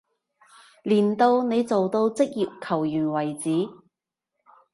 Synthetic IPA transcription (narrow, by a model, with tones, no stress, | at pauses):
liː˨˩nt̪o˧wne˨˧jt͡so˨wt̪o˧wt͡sɪ˥k̚ji˨p̚kʰɐ˨˩wjyː˨˩nwɐ˨˩jt͡siː˨˥